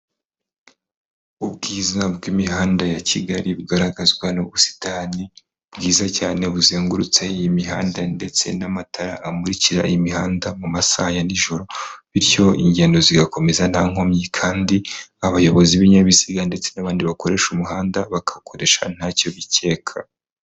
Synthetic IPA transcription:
ubɡiːzabɡimiɦaːndajacʰiɡaɾiβɡaɾaɡazɡwanoβusi̥taːni | bɡiːzacaːne̞βuzeːŋɡuɾut͡sejimiɦaːndande̞t͡se̞̰namatʰaɾa̰ʔːmuɾiciɾa̰ʔimihaːndamumasajaniʒo̞ɾo̞βiɾjo̞ḭɲɟe̞ːndo̞ziɡako̞me̞zan̥haːŋ̥o̞mɲikʰaːndiaβajo̞βo̞ziβiɲaβisiɡande̞t͡se̞naβaːndiβakoɾe̞ʃumuɦaːndaβakʰḁkʰo̞ɾe̞ʃa̰n̥haːco̞βitʰe̞ːkʰa

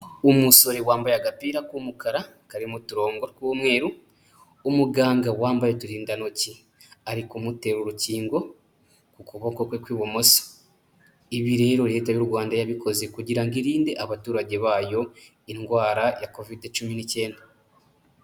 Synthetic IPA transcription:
umuso̞ɾewaːmbajaɡapiːɾakumukaɾa | kaɾimutuɾo̞ːŋɡokumwe̞ːɾu | umuɡaːŋɡawaːmbajotuɾiːndano̞ci | aɾikumute̞ɾuɾuciːŋɡo̞ | kukuβokokwekwiːβo̞mosḁ | iβiɾe̞ːɾo̞ɾe̞tajuɾɡwaːndajaβikʰo̞zekuɟiɾaŋɡiɾiːndeʔaβatuːɾaɟe̞βaːjo̞ | iŋɡwaːɾajako̞videt͡ʃuminice̞ːnda

